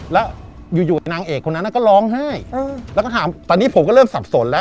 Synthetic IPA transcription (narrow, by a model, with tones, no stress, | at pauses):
lɛ˦˥ | juː˨˩juː˨˩a˧jnaː˧ŋʔeː˨˩kʰːo˧nː˦˥nːa˧˥˩kɔː˥˩lɔː˦˥ŋha˥˩jlɛ˦˥kɔ˥˩aː˩˦mt̪ɔː˧˩niː˦˥pʰo˨˩˦mkɔː˥˩ɾɤː˥˩msa˨˩p̚so˨˩˦nlɛ˦˥